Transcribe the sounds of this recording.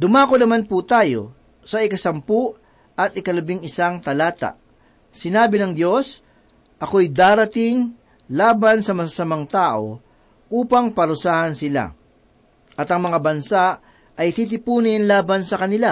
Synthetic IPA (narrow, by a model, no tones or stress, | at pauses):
d̪ʊmaːkonɐmanput̪aːjo̞̰ | sɐʔɪkɐsɐmpʊʔ | ɐt̪ɪkɐlɐbɪŋɪsaŋt̪ɐlaːt̪a̰ʔ | sɪnaːbɪnɐŋd̪jo̞s | ʔɐko̞ɐjd̪aːɾɐt̪ɪŋ | laːbɐnsɐmɐsasɐmaŋt̪aːʔo̞̰ | ʔuːpɐŋpɐɾʊsaːhɐnsɪla̰ | ʔɐt̪ɐŋmɐŋabɐnsaʔ | ɐjt̪it̪̬ɪpuːnɪnlaːbɐnsɐkɐnɪla